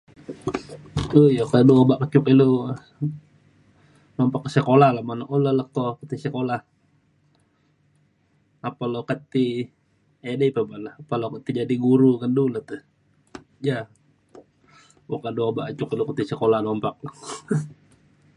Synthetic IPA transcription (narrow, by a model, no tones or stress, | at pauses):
ojakaduabaʔkət͡ʃʊkilo | nɔmpakːəsəkolahlahmanaʔolaləkokət̪isəkolah | apalokət̪i | edepabaʔlahpalokət̪id͡ʒadiɡuɾukandulat̪u | ja | wokaduabaʔkət͡ʃʊkilukət̪isəkolahnɔmpak̚